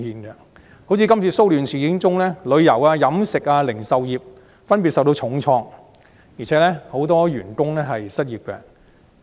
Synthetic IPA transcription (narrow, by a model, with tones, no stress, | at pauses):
iː˨nɡɛ˧ | ho˨˥wt͡sʰiː˨˧kɐ˥mt͡sʰiː˨˧so˥wlyː˨˩nsʰiː˨˩kɪ˨˥ŋt͡sʊ˥ŋlɛː˥lɵ˨˧ɥjɐ˨˩waː˧jɐ˨˥msɪ˨k̚aː˧lɪ˨˩ŋsɐ˨wjiː˨˩p̚ | fɐ˥np̬iː˨t̚sɐ˨wt̪o˧wt͡ʃʰʊ˨˥ŋt͡sʰɔː˧ŋ | jiː˨˩t͡sʰɛː˨˥lɛ˥ho˨˥wt̪ɔː˥jyː˨˩nkʊ˥ŋlɛː˥ɦɐ˨jsɐ˥t̚jiː˨p̚kɛ̰˧